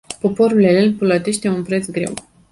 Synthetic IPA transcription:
po̞po̞ɾulelenpələt̪e̞ʃt̪e̞unpɾe̞t̪sɡɾe̞̰w

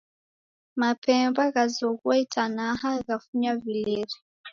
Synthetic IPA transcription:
mapʰɛmbaɣazɔɣwaitanahaɣafuɲavilɛɾi

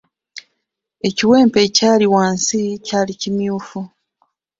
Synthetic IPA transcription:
e̞ciwe̞ːmpe̞caːliwaːnsicaːlicimjuːfu

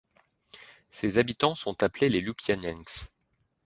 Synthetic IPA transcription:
sezabit̪ɑ̃sɔ̃t̪aplelelupjanɛŋks

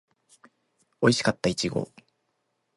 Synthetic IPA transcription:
oiɕi̥kat̪ːait͡ɕiɡo̞̰

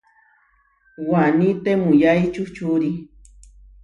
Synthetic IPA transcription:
wanit̪emujajt͡ʃut͡ʃuɾi

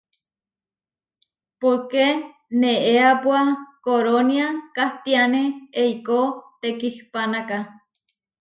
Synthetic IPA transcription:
poɾke | neʔeapwakoɾoniakaht̪ianeeikot̪ekihpanaka

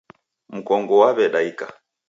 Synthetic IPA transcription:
m̩kɔŋɡɔwaβɛɗaika

